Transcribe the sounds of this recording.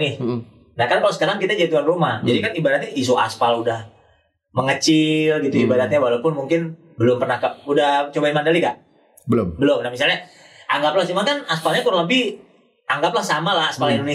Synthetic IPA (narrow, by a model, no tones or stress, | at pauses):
nɪh | nahkankalosə̥kaɾaŋkit̪ad͡ʒadit̪uanrumahd͡ʒadikanibadat̪̚ɲaʔis̬ua̰spaludah | məŋət͡ʃɪlɡit̪uibadat̪̚ɲawalapʊnmuŋkɪn | bəlʊmpərnahkaudaht͡ʃobaimandalikaʔ | bəlʊmbəlʊmnamisalɲa | ʔaŋɡaplaht͡ʃumankanaspalɲakuɾləbɪh | aŋɡaplahsamalahaspalindone